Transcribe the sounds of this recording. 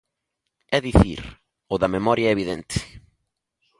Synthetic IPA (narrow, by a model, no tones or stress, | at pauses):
ɛðiθḭɾ | ʊðɐmemɔɾjɐɛeβiðẽnt̪ʰɪ̥